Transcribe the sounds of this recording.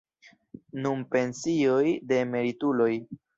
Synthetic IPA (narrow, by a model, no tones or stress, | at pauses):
nunpe̞nsio̞jde̞me̞ɾitulo̞j